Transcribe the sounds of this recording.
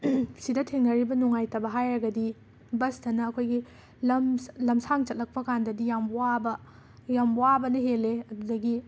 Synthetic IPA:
sidɐtʰeŋnɐɾibɐnuŋajtɐbɐɦajɾɐɡɐdi | bɐsdɐnɐːkʰojɡi | lɐmlɐmsaŋt͡ʃɐt̚lɐk̚pɐkandɐdijamwabɐ | jamwabɐnɐɦelːeɐdudɐɡi

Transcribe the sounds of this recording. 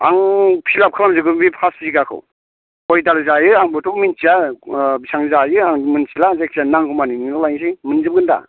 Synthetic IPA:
aŋpʰilap̚kʰɯɾamzɯɡɯŋbipʰasziɡakʰɯ̰w | ɔjdalzajɯaŋbɯtʰɔkmint͡ʃiabisaŋzajɯaŋmɯnt͡ʃilazak̚ianaŋkʰɯmaniniɯlajŋsiŋmɯnzɯp̚ɡɯnda̰

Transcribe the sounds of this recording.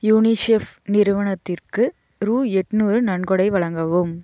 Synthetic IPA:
juːnisefnɪɾɯʋɐɳɐt̪ːɪrkɯ | ɾuːɛʈːnuːɾɯnɐɳɡɔɽɐɪʋɐɭɐŋɡɐʋɯm

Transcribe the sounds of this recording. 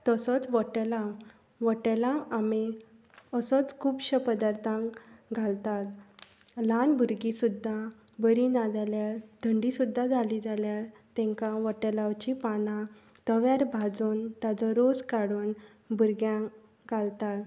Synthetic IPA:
t̪əsət͡sʋəʈɛlã | ʋəʈɛlaami | əsɔt͡skʰuːbɕəpəd̪aɾt̪ʰãŋɡʱalt̪at̪ | lanbʱuɾɡisud̪ʱːa | bəɾinad͡zaljaɭd̪̥ʱəɳɖisud̪ʱːad͡zʱalid͡zʱaljaɾt̪ɛ̃ŋkãʋəʈɛlawt͡ɕipanã | t̪əʋjaɾbʱad͡zuːnt̪jad͡zɔɾod͡zkaɽuːn | buɾɡjãŋ | ɡalt̪at̪

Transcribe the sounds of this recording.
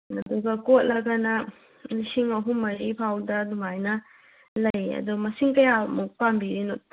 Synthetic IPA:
ɐduɡɐkot̚lɐɡɐnɐ | nisiŋɐɦumːɐɾipʰawdɐdumajnɐ | lɐjɐ̰dumɐsiŋkɐjamupambiɾinot̚

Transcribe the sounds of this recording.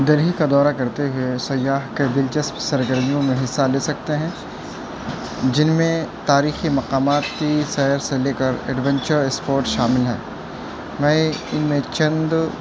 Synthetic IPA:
d̪ɐɾɦikad̪ɔːɾakɐɾt̪eɦʊesɐjːaːɦkebɪlt͡ʃɐspsɐɾɡəɾmijõmẽɦɪsːaleːsɐk̚t̪eɦɛ̃ː | d͡ʒɪnmẽt̪aːɾiːximɐqaːmaːt̪kisɛɦɾseleːkəɾɛ̰ɖʋɛ̃ɲt͡ʃəɾɛspoːɾʈʃaːmɪlɦɛ̰ː | mɛ̃ːɪnmẽt͡ʃɐ̃nd̪

